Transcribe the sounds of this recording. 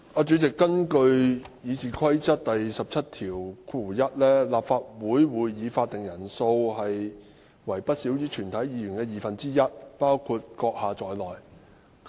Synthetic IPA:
aː˨˧t͡ʃyː˨˥t͡sɪ˨kːɐ˥nkɵ˧ɥjiː˨˧t͡siː˨kʰɐ˥jt͡sɐ˥t̚t̪ɐ˨jsɐ˨p̚t͡sʰɐ˥t̚t̪ʰiː˨˩wkʰuː˨˩jɐ˥t̚lɛː˥laː˨p̚faː˧t̚wuː˨˥jwuː˨˧jːiː˨˧faː˧t̪ɪ˨ŋjɐ˨˩nso˧wɦɐ˨j | wɐ˨˩jpɐ˥t̚siː˨˥wjyː˥t͡ʃʰyː˨˩nt̪ʰɐ˨˥jjiː˨˧jy˨˩nkɛː˧jiː˨˩fɐ˨nt͡siː˥jɐ˥t̚paː˥wkʰuː˧t̚kɔː˧k̚haː˨˧t͡sɔː˨jlɔː˨˩j

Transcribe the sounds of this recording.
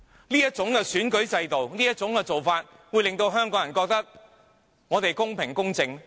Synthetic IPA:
liː˥jɐ˥t̚t͡sʊ˨˥ŋkɛː˧syː˨˥nkɵ˨˥ɥt͡sɐ˧jt̪o˨wniː˥ɐ˥t̚t͡ʃʊ˨˥ŋkɛ˧t͡so˨wfaː˧t̚ | wu˨˧jlɪ˨ŋt̪o˧wɦœː˥ŋkɔː˨˥ŋjɐ˨˩kɔː˧k̚t̪ɐ˥k̚ | ŋɔː˨˧t̪e˨jkʊ˥ŋpʰɪ˨ŋkʊ˥ŋt͡sɪ˧ŋ

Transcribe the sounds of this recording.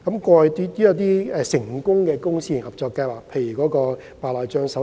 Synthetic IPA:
kɐ˨˥mkɔː˧jt̪i˥t̪iː˥jɐ˨˧wt̪iː˥ɛ˧sɪ˨˩ŋkʊ˥ŋkɛː˧kʊ˥ŋsiː˥ji˨˩ŋhɐ˨p̚t͡sɔː˧kːa˧jwaː˨k̚pʰe˧jɥy˨˩kɔː˨˥kɔː˧ | paː˨˧lɔː˨˩jt͡ʃœː˧ŋsɐ˨˥

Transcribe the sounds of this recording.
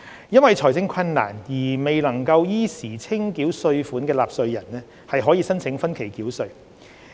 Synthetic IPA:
jɐ˥nwɐ˨jt͡ʃʰɔː˨˩jt͡sɪ˨˥ŋkʷʰɐ˧nːa̰ː˨˩njiː˨˩me˨jlɐ˨˩ŋkɐ˧wjiː˥siː˨˩t͡sʰɪ˥ŋkiː˨˥wsɵ˧ɥfuː˨˥nkɛː˧laː˨p̚sɵ˧ɥjɐ˨˩nnɛː˥ | hɐ˨jɦɔː˨˥jiː˧sɐ˥nt͡sʰɪ˨˥ŋfɐ˥nkʰe˨˩jkiː˨˥wsɵ˧ɥ

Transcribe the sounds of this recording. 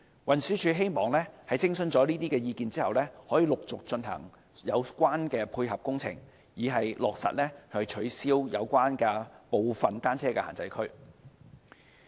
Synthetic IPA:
wɐ˨˩nsyː˨˥t͡ʃʰyː˨˥ɦe˥jmɔː˨˩ŋlɛː˥hɐ˨jt͡sɪ˥ŋsɵ˧nt͡sɔː˨˥liː˥t̪iː˥kɛː˧jiː˧kiː˨nt͡siː˥hɐ˨wlɛː˥hɔː˨˥jiː˨˧lʊ˨k̚t͡sʊ˨k̚t͡ʃɵ˧nɦɐ̰˨˩ŋ | jɐ˨˧wkʷaː˥nkɛː˧pʰuː˧jɦɐ˨p̚kʊ˥ŋt͡sʰɪ̰˨˩ŋ | jiː˨˩ɦɐ˨jlɔː˨k̚sɐ̰˨t̚lɛː˥hɵ˧t͡ʃʰɵ˨˥ɥsiː˥wjɐ̰˨˧wkʷaː˥nkɛː˧po˨wfɐ˨nt̪aː˥nt͡sʰɛː˥kɛː˧ha̰ː˨˩nt͡sɐ̰˨˥jkʰɵ˥ɥ

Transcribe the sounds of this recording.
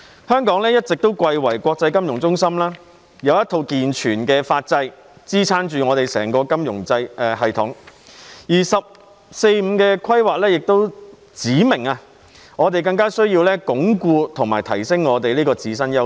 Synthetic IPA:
hœː˥ŋkɔː˨˥ŋlɛː˥jɐ˥t̚t͡sɪ˨k̚t̪o˥wkʷɐ˧jwɐ˨˩jkʷɔː˧k̚t͡sɐ˧jkɐ˥mjʊ˨˩ŋt͡sʊ˥ŋsɐ˥mlaː˥ | jɐ˨˧wjɐ˥t̪ʰo˧wkiː˨nt͡ʃʰyː˨˩nkɛː˧faː˧t̚t͡sɐ˧j | t͡siː˥t͡sʰaː˥nt͡ʃyː˨ŋɔː˨˧t̪e˨˩jsɛː˨˩ŋkɔː˧kɐ˥mjʊ˨˩ŋt͡sɐ˧jɛ˨˧ɦɐ˨jt̪ʰʊ˨˥ŋ | jiː˨˩sɐ˨p̚ | se˧jm̩ː˨˧kɛː˧kʰɐ˥jwaː˨k̚lɛː˥jɪ˨k̚t̪o˥w | t͡siː˨˥mɪ˨˩ŋɐ˧ | ŋɔː˨˧t̪e˨jkɐ˧ŋkaː˥sɵ˥ɥjiː˧wlɛː˥kʊ˨˥ŋkuː˧t̪ʰʊ˨˩ŋmaː˨˩jt̪ʰɐ˨˩jsɪ˥ŋŋɔː˨˧t̪e˨jliː˥kɔː˧t͡siː˨˥sɐ˥njɐ˥w

